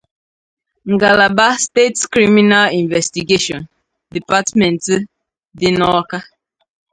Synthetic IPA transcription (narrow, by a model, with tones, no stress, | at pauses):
ŋ̩˨ɡa˨la˨ba˦ste˦tskɾi˦mi˦na˦li˨nvɛ˨sti˨ɡe˦ʃɔ̃˨n | di˨pa˦tmɛ˨n˨t | dɪ˦nɔ˦ka˦